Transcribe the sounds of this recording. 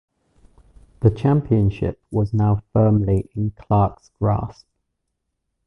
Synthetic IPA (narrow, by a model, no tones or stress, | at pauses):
ðət͡ʃʰãmpʰiə̃nʃɪ̰p̚wɒznaʊfɜːmliʔɪ̃nkʰl̥ɑˑksɡ̥ɹɑ̰ˑsp